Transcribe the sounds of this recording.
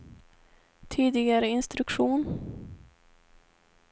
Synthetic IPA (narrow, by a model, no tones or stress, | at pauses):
t̪ʰiːd̪ɪɡaɾəɪnst̪ɾɵkɧuːn